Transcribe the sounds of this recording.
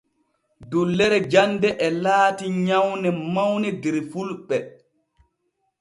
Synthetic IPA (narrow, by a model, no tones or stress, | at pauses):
dulːɛɾɛd͡ʒandɛʔɛlaːtiɲawnɛmawnɛdɛɾfulɓɛ